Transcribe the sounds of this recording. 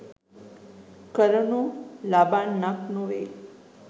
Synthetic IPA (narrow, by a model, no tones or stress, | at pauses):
kəɾəɳolabanːaknoʋe